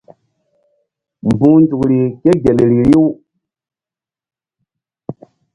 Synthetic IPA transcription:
m˨bũ˦nd͡ʒu˨kɾi˨ke˦ɡe˨lɾi˨ɾi˦w

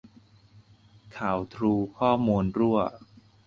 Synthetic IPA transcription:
kʰaː˩˦wt̪ʰɾuː˧kʰɔː˥˩muː˧nɾu˥˩ɐ

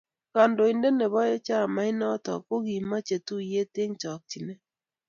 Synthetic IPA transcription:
ka˨ndo˨ɪ˨ndɛ˦nɛ˨βɔ˦je˦t͡ʃa˦˨ma˨˦ɪ˦nɔ˦tɔ̰˨ko˦ɡi˨ma˦t͡ʃe˨tu˦je˦te˦ŋt͡ʃɔ˨k̚t͡ʃi˨nɛ˦

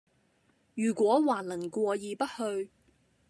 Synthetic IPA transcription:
jyː˨˩kwɔː˨˥waː˨˩nlɐ˨˩nkʷɔː˧jiː˨˧pɐ˥t̚hɵ˧ɥ

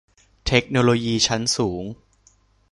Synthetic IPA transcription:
t̪ʰe˦˥k̚noː˧loː˧jiː˧t͡ɕʰa˦˥nsuː˩˦ŋ

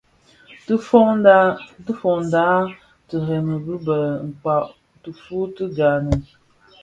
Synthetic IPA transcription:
fɔ˦ | tə˦fɔ˨n˨da˦ | tə˨ɾɛ˨mə˨bə˦bə˨ŋ̩˨k͡pa˨ʔ | tə˨fu˦tə˦ɡa˨nə˨

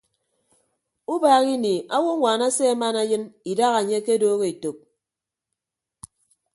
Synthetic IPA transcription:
u˦baː˨ɣi˦ni˨ʔa˦wo˦ŋʷaː˨na˦se˦a˦ma˦na˦jɨ˦ni˨da˦ɣa˨ɲe˦ke˦doː˦ɣe˨i˨to˨k̚

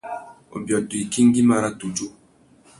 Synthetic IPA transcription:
o̰˨bjɔ˨du˨i˨ki˦ŋ˦ɡi˦ma˦ɾa˦tu˨d͡ʒo˦

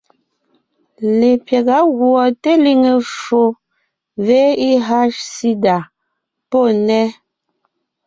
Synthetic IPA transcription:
le˨pjɛ˨ɣa˨˦ɣwɔ˨te˦li˦ŋe˨fo˨ | ve˦i˦ɦa˦ʃsi˦da˨ | po˦˨nɛ˦

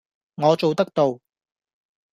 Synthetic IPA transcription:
ŋɔː˨˧t͡so˨wt̪ɐ˥k̚t̪o˨w

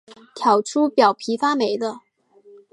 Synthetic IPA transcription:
t̪ʰjɑ˨˩ʊʈ͡ʂʰu˥pjɑ˨˩ʊpʰi˧˥fa˥me˧˥ɪd̪ə˧

